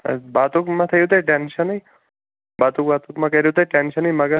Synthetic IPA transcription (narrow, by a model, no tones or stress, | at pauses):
bat̪ukmãt̪ʰəjũt̪ueʈenʃənːəi | bat̪uk̚bat̪ukmãkəɾjut̪̬eʈenʃənːiməɡə